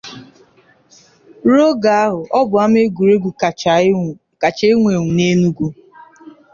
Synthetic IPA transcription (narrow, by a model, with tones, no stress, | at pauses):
ɾo˦ɡa˨a˦ɦʊ˨ʔɔ˦bʊ˨a˦m˦e˦ɡu˨ɾe˦ɡʷu˨ | ka˨t͡ʃe˦e˦ŋʷe˨ŋʷu˨ne˦nu˦ɡu˦